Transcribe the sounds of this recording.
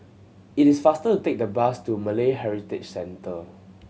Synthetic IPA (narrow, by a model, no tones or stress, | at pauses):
itisfastətutek̚dəbastuməleɦɛɹitɪt͡ʃsɛ̃ntə